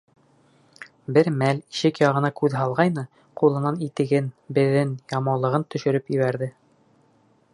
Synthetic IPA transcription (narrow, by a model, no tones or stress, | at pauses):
bɘɾmæliʃɘkjɑʁɤ̆nɑkʉðɦɑlˠʁɑjnɤ | qulˠɤ̆nɑnit̪ɘ̆ɡɘnbɘ̆ðɘnjɑmɑwlˠɤ̆ʁɤnt̪ɵ̆ʃɵ̆ɾɵpiβæɾðɘ